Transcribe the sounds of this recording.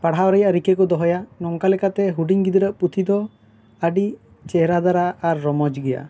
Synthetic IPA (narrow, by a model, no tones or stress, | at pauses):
paɽɦaɔɾɛjaɾikekɔd̪ɔɦɔjanɔŋkalɛkat̪ɛɦuɖiŋɡid̪iɾəʔput̪ʰid̪ɔ | aɖi | t͡ʃɛɦɾad̪aɾaːɾːɔmɔd͡ʒɡɛja̰